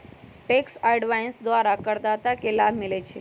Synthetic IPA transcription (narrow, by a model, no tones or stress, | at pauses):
ʈeksaɖʋajnsd̪ʋaɾakəɾd̪at̪akelabʱmɪlet͡ʃʰe